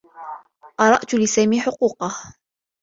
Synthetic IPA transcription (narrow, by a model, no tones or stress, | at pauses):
qɑɾˤɑʔt̪lɪsaːmiːħʊquːqɑh